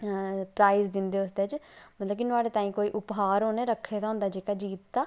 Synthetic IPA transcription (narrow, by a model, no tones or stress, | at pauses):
pɾaːɪzd̪ɪnd̪eːʊsd̪eːt͡ʃmət̪ləb̚kinʊaːɽeːt̪ãːĩːkoːiːʔʊpɦaːɾɦõːneːɾəkʰːeːd̪aɦʊ̃nd̪aːd͡ʒeːkaːd͡ʒiːt̪d̪aː